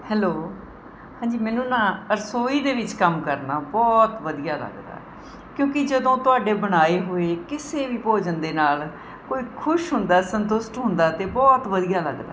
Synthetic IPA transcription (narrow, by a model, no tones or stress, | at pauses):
hɛːloː | hãːɲd͡ʒiːmɛːnũːnãːəɾsoːiːd̪eːʋɪt͡ʃkəmkəɾnaːbɔːt̪ʋəd̪ijaːlə̰ɡd̪a̰ː | kjõːkɪd͡ʒəd̪õːt̪ʊaːɖeːbəɽ̃aːeːɦoːeːkɪseːʋiːpoːd͡ʒənd̪eːnaːl | koːiːkʰʊʃɦʊnd̪aːsənt̪ʊsʈɦʊ̃nd̪aːt̪eːbɔːt̪ʋəd̪ijaːlə̰ɡd̪a̰ː